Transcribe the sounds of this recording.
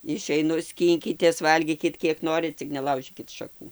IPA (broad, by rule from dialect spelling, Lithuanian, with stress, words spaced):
ɪʃʲɛɪˈnʊ ˈsʲkʲiːŋʲkʲɪtʲeːs ˈʋɐlʲɡʲiːkʲɪt ˈkʲiɛk ˈnoːrʲɪt ˈt͡sʲɪk nʲɛˈlˠɐʊʒʲiːkʲɪt ʃɐˈkuː